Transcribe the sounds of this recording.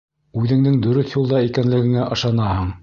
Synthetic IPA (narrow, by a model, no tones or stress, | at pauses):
ʉðɘ̆ŋnɘŋd̪ɵ̆ɾɘθjulˠd̪ɑikænlɘ̆ɡɘ̆ŋæʔɤ̆ʃɑnɑhɤɴ